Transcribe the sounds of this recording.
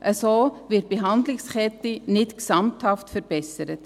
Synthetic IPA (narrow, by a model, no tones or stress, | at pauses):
ʔəsoːvɪt̚b̥eɦɑndlɪkskʰɛtinɪtksɑmthɑftfəɾb̥ɛsəɾət